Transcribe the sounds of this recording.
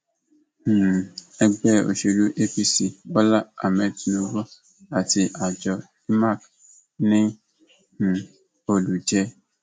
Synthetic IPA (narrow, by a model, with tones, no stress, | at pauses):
ɛ˦ɡ͡bɛ˦˨o̰˨ʃe˨lu˦ʔe˦pi˦si˨ɔ˦la˦a˨mɛ̃˨tno˧wɔ˦ | a˨ti˧ʔa˨d͡ʒɔ˨ | i˦ma˦˨k | nĩ˦˨ | o˨lu˨d͡ʒɛ˦